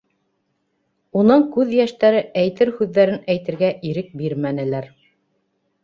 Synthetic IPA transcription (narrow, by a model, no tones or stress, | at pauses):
unɤɴkʉðjæʃt̪æɾɘæjt̪ɘɾhʉðːæɾɘnæjt̪ɘ̆ɾɡæʔiɾɘk̚biɾmænɘ̆læɾ